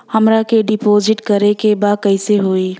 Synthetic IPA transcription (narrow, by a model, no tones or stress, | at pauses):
hɐmɾakeɖɪpoːzɪʈkɐɾekebaːd̪̚kɐɪseɦoːiː